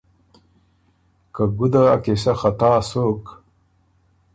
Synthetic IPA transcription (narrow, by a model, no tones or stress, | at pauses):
kaɡud̪aːkesɐxɐt̪aːsoːk